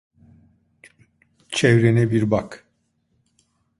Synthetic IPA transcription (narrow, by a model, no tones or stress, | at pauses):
t͡ʃʰɛvɾenɛbiɾbak